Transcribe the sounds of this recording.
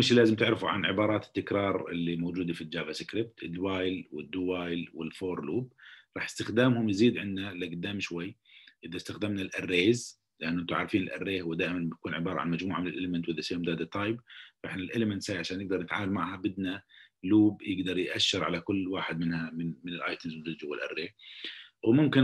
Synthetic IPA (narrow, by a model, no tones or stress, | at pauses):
mɪʃlaːzɪmt̪ɪʕɾɪfuʕa̰nʕɪbɑːɾˤɑːt̪ɪ̥t̪ːɪkɾˤɑːɾˤɪ̰lːimoːd͡ʒuːd̪ifit̪ːd͡ʒaːbasɪkɾɪp̚t̪ɪd̪waːjlwɪd̪ːuːbaːjlwɪlfoːɾˤluːb̚ɾˤɑːħjɪ̥st̪ɪxd̪aːmhʊmjziːd̪ʕɪnːalːaɡʊd̪ːaːmʃwajːʔɪðast̪axd̪ɪmnalʔarːeːz | lɪʔanːʔɪnt̪ʊʕa̰ɾˤfiːnɪlʔa̰rːeːhwɪd̪aːʔɪmanbɪkuːnʕɪbɑːɾˤɑ̰ʕa̰nmad͡ʒmuːʕamɪnɪlʔeːlɪmɪnt̪wʔɪðasɪjːamd̪aːd̪at̪ˤːɑːjbfaʔɪħnalʔeːlɪmɪnt̪saːjʕaʃaːnjɪɡ̚d̪ɑɾˤnɪt̪ʕa̰ːmalmaʕhabɪd̪naluːbjɪɡd̪ɑɾˤjʔaʃːɪɾʕalakʊlːwaːħɪd̪mɪnhamɪnmɪnɪlʔa̰ːjt̪ʊmzwd͡ʒuːd̪d͡ʒuwɪlʔa̰rːeː | wmʊmkɪ